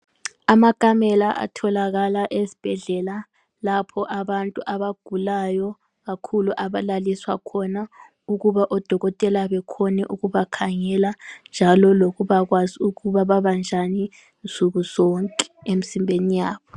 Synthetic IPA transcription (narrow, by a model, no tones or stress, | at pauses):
amakʼamɛlaʔa̰tʰɔlaɣalaʔezi̥b̥ʱɛɮɛla | lapʰɔʔaβantʼuʔaβaɡ̥ʱulajɔ | ɣakʰuluʔaβalaliswa̰kʰɔna | uɣuβaʔɔd̥ʱɔɣɔtʼɛlaβɛkʰɔnɛʔuɣuβakʰaŋɛland͡ʒʱalɔloɣuβaɣwaziuɣuβaβaβand͡ʒʱani | nsʼuɣuzɔŋkʼɛ̥emisimbʱenijaːβɔ